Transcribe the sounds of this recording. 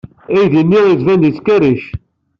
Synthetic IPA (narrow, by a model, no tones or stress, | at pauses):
æjðinːiizvænd̪it͡sːkæɾiʃ